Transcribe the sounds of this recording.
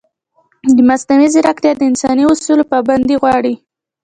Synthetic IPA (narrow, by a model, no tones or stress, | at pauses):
d̪əmast̪amiziɾakt̪jɑd̪əɪnsɑniʊsulpaband̪iɣwɑɽi